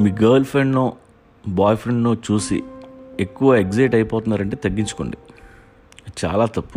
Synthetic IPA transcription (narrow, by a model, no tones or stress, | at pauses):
miːɡɐːɾlpʰɾeɳɖnoː | bɔːjpʰɾeɳɖnoːt͡ʃuːsḭe̞kːuʋɐe̞ɡd͡ʒɐʈɐjipoːt̪unːaːɾɐɳʈ̬e̞ːt̪ɐɡːiɲt͡ʃu̥ko̰ɳɖḭ | t͡ʃa̰ːlaːt̪ɐpːu